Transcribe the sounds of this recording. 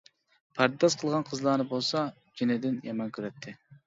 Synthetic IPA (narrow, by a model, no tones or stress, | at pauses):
pʰɑɾt̪d̪ɑsqʰəlˠʁɑnqʰəzlˠɑɾnɨbolˠsɑ | d͡ʒinɪd̪ɪnjɑmɑnkʲʰyɾɛt̪ʰːɪ